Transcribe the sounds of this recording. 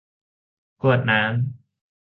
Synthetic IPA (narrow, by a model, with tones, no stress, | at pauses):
kʰu˨˩ət̪̚naː˦˥m